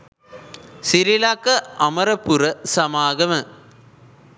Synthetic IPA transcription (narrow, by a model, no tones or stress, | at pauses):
sɪɾɪlaːkːɐɐmɐɾɐpːɯɾɐsɐmaːɣɐmɐ